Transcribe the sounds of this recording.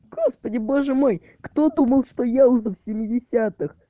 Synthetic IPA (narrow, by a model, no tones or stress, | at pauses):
ɡ̥o̞spədʲɪbo̞ʐɨmo̞j | kt̪o̞d̪uməlˠʂt̪o̞jaʊzɨfsʲɪmʲːɪdʲɪsʲat̪ɨx